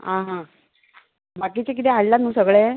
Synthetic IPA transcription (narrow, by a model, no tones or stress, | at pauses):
ɦãɦã | bakit͡ɕek̬it̪eɦallanũːsəɡɭe